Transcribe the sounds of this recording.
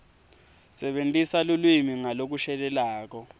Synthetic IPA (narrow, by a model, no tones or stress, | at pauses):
sɛɓentʼisalulwimiŋalok̬uʃɛlɛlaːk̬ɔ